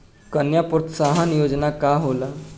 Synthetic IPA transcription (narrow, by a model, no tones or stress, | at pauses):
kənjapɾɔt̪saɦanjod͡znakaɦola